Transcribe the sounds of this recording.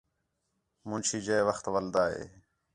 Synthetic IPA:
mũːnt͡ʃʰiːd͡ʒeːeʋəxt̪ʋəld̪aːɦḛː

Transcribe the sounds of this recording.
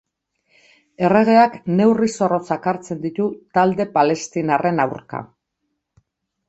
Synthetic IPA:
e̞re̞ɣ̞e̞akne̞wriso̞ro̞t͡sakaɾt͡se̞nd̪it̪ut̪ald̪e̞pale̞st̪inarʔe̞nawɾka̰

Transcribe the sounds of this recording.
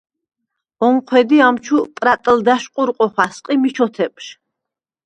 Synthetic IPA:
ɔɴqʰwɛd̪iamt͡ʃʰupʼɾat̪ʼld̪aʃqʼuɾqʼɔχwasqʼimit͡ʃʰɔt̪ʰɛpʰʼʃ

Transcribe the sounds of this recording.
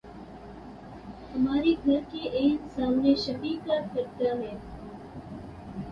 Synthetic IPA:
əmaːɾiːɡʱəɾkeːʔeːsaːmneːʃəbiːkaːfəɾt̪aːɦẽː

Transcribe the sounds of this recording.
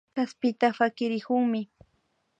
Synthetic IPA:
aspɪt̪afakɪɾɪkʊŋmɪ

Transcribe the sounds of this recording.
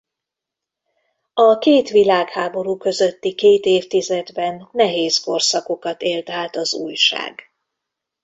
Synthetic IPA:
ɒkeːt̪ʋilaːkhaːbo̞ɾuːkø̞zø̞t̪ːikeːt̪eːft̪izɛd̪bɛnːɛɦeːzko̞rsɒko̞kɒt̪eːlt̪aːt̪ɒzṵːjʃa̰ːɡ

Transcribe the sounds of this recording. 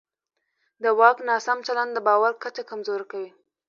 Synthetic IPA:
d̪əwɑknɑsamt͡ʃaland̪əbɑwaɾkat͡ʃakamzoɾakawi

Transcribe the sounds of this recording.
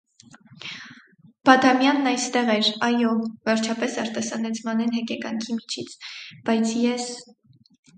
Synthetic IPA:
b̥ɑd̪ɑmjɑnːɑjst̪ɛʁɛɾɑjɔvɛɾt͡ʃʰɑpɛsɑɾt̪ɑsɑnɛt͡sʰmɑnɛnɦɛkɛkɑŋkʰimit͡ʃʰit͡sʰb̥ɑjt͡sʰjɛs

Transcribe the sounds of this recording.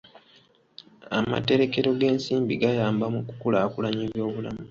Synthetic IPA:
a̰ma̰te̞ɾe̞ke̞ɾo̞ɡe̞ːnsiːmbiɡajaːmbamuku̥kulaːkulaɲeβjo̞ːβulamu

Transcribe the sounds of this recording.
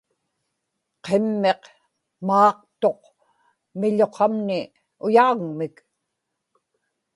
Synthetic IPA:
qʰemːe̞q | mɑːq̚t̪o̞q | mɪʎo̞qʰɑmnɪ | ʊjaːɣmɪk

